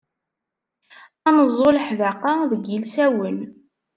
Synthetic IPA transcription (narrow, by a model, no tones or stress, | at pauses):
ænəzˤːoləħvaqɑðəɡilsæwən